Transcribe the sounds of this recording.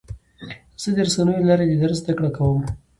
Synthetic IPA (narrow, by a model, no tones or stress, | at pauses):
z̥əd̪əɾsanujelaɾed̪əd̪aɾzd̪akɽakawəm